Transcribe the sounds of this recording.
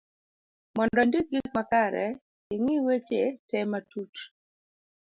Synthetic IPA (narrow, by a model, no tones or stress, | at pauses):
mɔndɔndik̚ɡik̚makaɾɛ̰ | ɪŋɪwet͡ʃetɛmatut